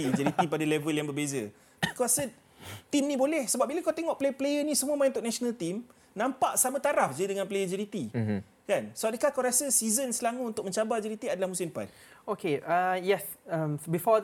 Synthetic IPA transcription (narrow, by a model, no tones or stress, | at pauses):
id͡ʒəɾit̪ipadalɛvəljaŋbəbezə̰ | kaɾasə | t̪imnĩbolɛhsəbap̚biləkawt̪eŋɔʔplejəplejənĩsəmuəmãj̃nt̪ʊʔ̚nasonalt̪im | nãmpaʔsamə̃t̪aɾafd͡ʒədəŋanplejəd͡ʒəɾit̪i | kansəap̚dəkakawɾasəsizənsəlaŋuunt̪ʊkmə̃ɲt͡ʃabad͡ʒəɾit̪iadalahmusɪmpa̰t̪̚ | okeajɛs | ambifɔ